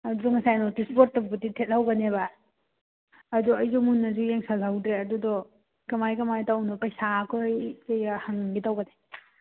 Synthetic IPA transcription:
ɐdudɔŋɐsajnɔtispoɾtːɐbutitʰet̚lawɡɐneβa | duɐjzumunːɐzujeŋsalawdɾeɐdudɔ | kɐmajkɐmajtawnɐpasakʰojkejahaŋɡitawɡɐne

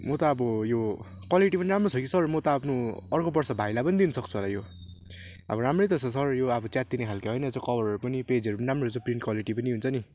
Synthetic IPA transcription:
mʌt̪ʌːbʌjo | kwaliʈipʌniɾamrosʰʌkisʌrmʌt̪ʌʌpʰnoʌrkobʌrsʌbʱajlapʌnid̪inʌsʌkt͡sʰuɦolajo | ʌ̰bʌɾamret̪ʌsʌsʌrjoʌbʌt͡sjat̪̚d̪inekʰalkaɦʌjnʌt͡sʌ̃kʌbʌrʌɾupʌniped͡zʌɾupʌnɾamrout͡sʌ̃priɳʈkwaliʈipʌniɦunt͡sʰʌni

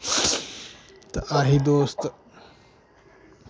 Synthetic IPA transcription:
t̪ɐʔaɦid̪oːst̪ɐ

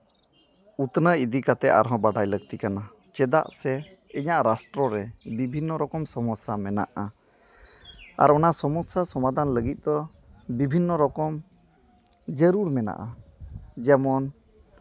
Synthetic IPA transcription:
ut̪nəid̪ikat̪ɛa̰ɾɦɔ̃baɖajləɡ̚t̪ikana | t͡ʃɛd̪a̰ʔsɛ | iɲaʔɾasʈɾɔɾɛbibʱinːɔɾɔkɔmsɔmɔsamɛna̰ʔa | a̰ɾɔnasɔmɔsasɔmad̪ʱanləɡit̪̚ˀd̪ɔ | bibʱinːɔɾɔkɔm | d͡ʒəɾuɾmɛna̰ʔa | d͡ʒɛmɔn

